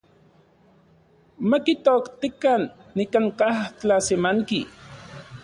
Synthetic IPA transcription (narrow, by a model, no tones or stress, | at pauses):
makit̪okt̪ikanːikaŋkaht͡ɬasemaŋki